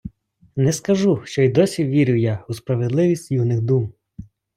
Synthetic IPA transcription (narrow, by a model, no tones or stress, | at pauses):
nɛskɐʒuʃt͡ʃɔid̪ɔsʲiʋʲiɾʲʊjauspɾɐʋed̪lˠɪʋʲisʲtʲjunɪxd̪um